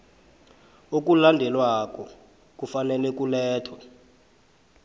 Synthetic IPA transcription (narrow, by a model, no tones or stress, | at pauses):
ok̬ulandʱɛlwak̬ʼɔ | k̬ufanɛlɛk̬ulɛːtʰwa